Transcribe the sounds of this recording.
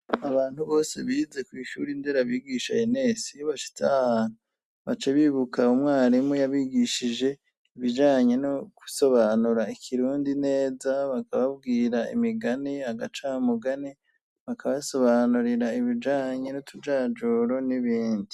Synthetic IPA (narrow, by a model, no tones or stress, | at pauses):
aβaːn̥huβo̞ːse̞βiːze̞kwiːʃṵːɾindeɾaβiːɡiːʃaene̞sijβaʃi̥tahaːn̥u | βat͡ʃe̞βiːβukaumŋaːɾimujaβiɡiʃid͡ʒe̞ | iβid͡ʒaːɲe̞noku̥so̞βaːnuɾaikʰiɾuːndine̞ːzaβakʰaβaβ̚ɡiːɾaḭmiɡanihaɡat͡ʃamuɡane | βakʰaβaso̞βanuɾiɾaiβid͡ʒaːɲe̞nutʰud͡ʒaːd͡ʒoɾo̞niβiːndi